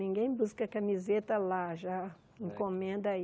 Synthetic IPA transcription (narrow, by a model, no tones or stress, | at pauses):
nĩɡẽj̃buskɐkamizet̪ɐlaʒa | ĩŋkõmẽnd̪ɐ